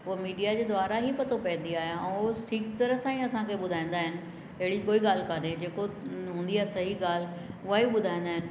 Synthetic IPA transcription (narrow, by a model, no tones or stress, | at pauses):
ʊɦmiːɖijad͡ʑeːd̪ʋaːɾaɦipɐt̪ʰopɐ̃ɦɪ̃n̆d̪iaːɦijaɛ̃oʈʰiːkt̪ɐɾəsãːĩɐsãkʰeɓʊd̪ʱaːĩːn̆d̪aːɦɪnɪ̆ | ɐɦɪɽikoːiɠaːl̤kaːned͡ʑeːkoɦũːn̆d̪iaːsɐɦiɡaːl̤ | ʊɦaɦiɓʊd̪ʱãːĩːn̆d̪aːɦɪnɪ̆